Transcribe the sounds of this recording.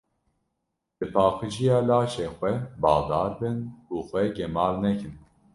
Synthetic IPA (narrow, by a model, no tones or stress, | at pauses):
d̪̥ɨpʰɑːxɨʒijɑːlɑːʃeːxʷɛbɑːd̪ɑːɾbɨnuːxʷɛɡɛmɑːlnɛkɨn